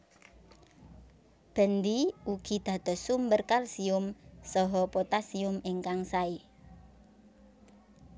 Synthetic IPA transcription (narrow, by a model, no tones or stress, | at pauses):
b̥ə̤nd̪iuɡ̥i̤d̪̥ä̤d̪̥ɔ̤sumbərkalsiʊmsɔɦɔpot̪asiʊmeŋkaŋsai